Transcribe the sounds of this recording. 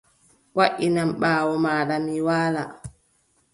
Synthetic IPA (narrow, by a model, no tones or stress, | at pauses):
waʔinamɓaːwɔmaːɗamiwaːla